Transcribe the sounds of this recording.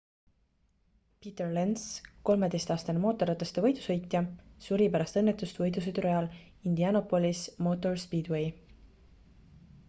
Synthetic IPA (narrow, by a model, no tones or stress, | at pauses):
pit̪erlensko̞lme̞d̪e̞jst̪ɑːst̪ɑnemo̞ːt̪ːˑo̞ɾɑt̪ːˑest̪evɤ̞jd̪̥usɤ̞jt̪jɑsuɾipæɾɑst̪ɤnːet̪ːˑust̪vɤjd̪us̬ed̪uɾɑjɑl | ind̪iɑno̞pːˑo̞lʲismo̞t̪ːˑo̞rspiːd̪wej